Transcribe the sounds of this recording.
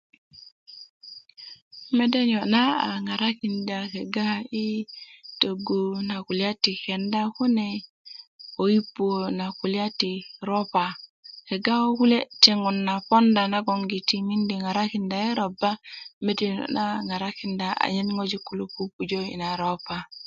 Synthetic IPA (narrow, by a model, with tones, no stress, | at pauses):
me˦de˦ɲo˨na˦a̰˨ŋa˨ɾa˦ki˨nda˨ke˨ɡa˦i˦to˨ɡu˨na˨ku˨lja˦ti˨kɛ˨nda˦ku˦ne˨ | o˨ji˦pːu˦o˨na˨ku˨lja˦ti˨ɾo˦pa˨ke˨ɡa˦o˦ku˦le˦ti˦ŋɔ˨nːa˨pɔ˦nda˨na˦ɡɔ˨ŋɡi˨ti˦mi˦ndi˨ŋa˨ɾa˦ki˨nda˨i˦ɾɔ˨ba˦me˦de˦ɲɔ̰˨na˦˨ŋa˨ɾa˦ki˦nda˨a̰˨ɲe˦nŋo˦d͡ʒi˦ku˨lu˦pu˦pu˨d͡ʒo˦ḭ˨na˨ɾo˦pa˨